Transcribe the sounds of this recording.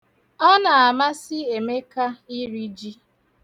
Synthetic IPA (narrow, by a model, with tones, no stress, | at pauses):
ɔ˦na˨a˨ma˦sɪ˦e˨me˦ka˦i˦ɾi˦d͡ʒi˦